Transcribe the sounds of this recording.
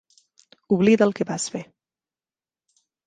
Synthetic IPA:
uβliðəlˠkebasfe

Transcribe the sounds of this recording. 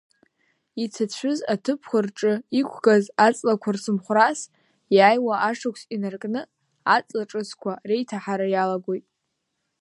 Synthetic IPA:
it͡sʰat͡ɕʷʰʊzatʰɨpʰχʷarʈ͡ʂʼɨikʷʰɡazat͡sʼlakʷʰarsɨmχʷras | jaːjwaʔaʂakʷʰsinarkʼnɨ | at͡sʼlaʈ͡ʂʼɨskʷʰare̞jtʰaħaɾajalaɡʷo̞jtʼ

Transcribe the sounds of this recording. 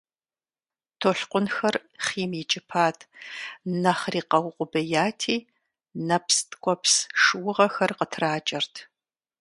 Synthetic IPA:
tʰoːɬqʷʊnxɐrχiːmjɪt͡ʃʼɪpʰaːtʰnɐχriːqɐwqʷʼʊbɐjaːtʰiː | nɐpstʼkʷʼɔpsʂɨwʊʁɐxɐrqətʰraːt͡ʃʼɐrtʰ

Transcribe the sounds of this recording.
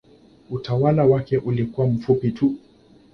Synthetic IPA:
utawalawakɛʔulikuwam̩fupitʰu

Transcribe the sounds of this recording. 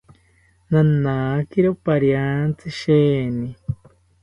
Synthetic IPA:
nanakiɾopaɾjant͡sɨʃeːni

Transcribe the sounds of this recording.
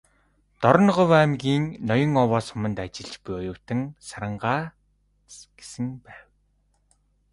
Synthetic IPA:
t̪ɔɾɞ̆nɢɔwːmɡʲiːŋnɔjɞ̆ŋɔwɔːsʊ̆mə̆nt̪at͡ɕɪ̆ɮt͡ɕpujɔjʊːwt̪ɘ̆ŋsaɾə̆ɴɢaː | ɡ̥e̥sɘ̆ŋpæːw

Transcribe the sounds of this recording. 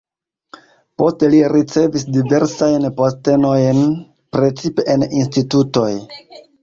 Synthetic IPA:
po̞steliɾit͡se̞visdive̞ɾsajnposte̞no̞jn | pɾe̞t͡sipe̞ʔeninstituto̞j

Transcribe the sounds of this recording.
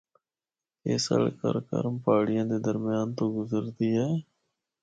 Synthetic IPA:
ḛːsə̰ɽkə̰ɾkə̰ɾmpaːɽɪjãːd̪eːd̪əɾmɪjaːnt̪õːɡʊzəɾd̪iːɦɛeː

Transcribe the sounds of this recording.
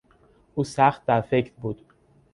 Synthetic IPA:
ʔuːsæxt̪̚d̪æɾfecʰɾbuːd̪̥

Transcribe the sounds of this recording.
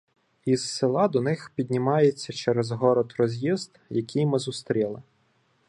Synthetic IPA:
iz̥ːɪlˠɑd̪ɔnɪxpʲid̪ʲnʲimɑjet͡sʲːɐt͡ʃɛɾɛzɦɔɾɔd̪rɔzʲjizd̪jɐkʲʰijmɪzʊst̪ɾʲilˠɪ

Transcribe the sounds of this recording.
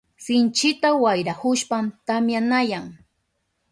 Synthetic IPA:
sɪnt͡ʃɪt̪awajɾahʊʃpamt̪amjanajaŋ

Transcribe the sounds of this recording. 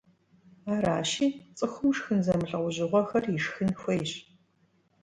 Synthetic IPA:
aːɾaːʃiːt͡sʼɨxʷʊmʂxɨnzɐmɨɬɐqʷʊʑɪʁʷɔxɐriʂxɨnxʷɐjɪɕʼ

